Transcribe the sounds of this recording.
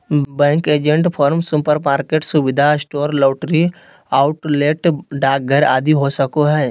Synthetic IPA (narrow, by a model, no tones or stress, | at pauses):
bɛ̃ːŋkeːd͡ʒẽɳʈpʰɔːɾmsʊpəɾmaːɾkeːʈsʊʋɪd̪ʱasʈoːɾloːʈɾi | aʊʈleːʈɖaːk̚ɡʱəɾa̰ːd̪iɦosəkoɦɛː